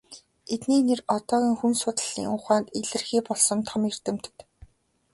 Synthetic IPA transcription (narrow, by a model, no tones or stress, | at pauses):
et̪niːnerɔt̪ɔːɣiːŋxunsʊːt̪ə̆ɮḭːŋʊχaːnt̪eɮɘ̆rxiːpɔɮsɞ̆mt̪ʰɔmer̥t̪ɘ̆m̥t̪̆t̪